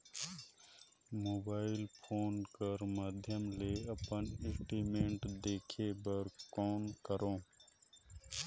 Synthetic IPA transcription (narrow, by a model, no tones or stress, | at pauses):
moːbaːɪlpʰoːnkəɾmad̪ʱjəmleːɐpənɪsʈiːmẽːɳʈd̪eːkʰebəɾkɔːnkəɾõː